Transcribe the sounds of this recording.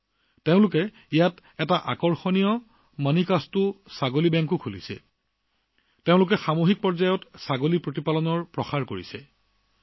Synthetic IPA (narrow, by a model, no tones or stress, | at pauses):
teʊ̃lʊkɛ | ijat | ɛtaʔakɔɹxɔnijɔ | manikastʊsaɡolibɛŋkukʰulisɛ̰ | teʊ̃lʊkɛxamoɦik̚pɔɹzajɔtsaɡolipɹotipalɔnɔɹpɹɔxaɹkoɹisɛ̰